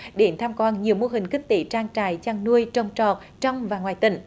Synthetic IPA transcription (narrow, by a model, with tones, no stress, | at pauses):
ɗe˨˦nt̪ʰaː˧mkwɔː˧nɲi˨˩əwmo˧ɦï˨˩ŋ̟ki˦˥k̚t̪i˨˩˦t͡ɕaː˧ŋt͡ɕaː˧˩jt͡ɕaː˧ŋnu˧əjt͡ɕə˧wŋ͡mt͡ɕɔ˨˩t̚ | t͡ɕɔ˧wŋ͡mvaː˨˩ŋwaː˨˩jt̪ḭ˧˨˦ŋ̟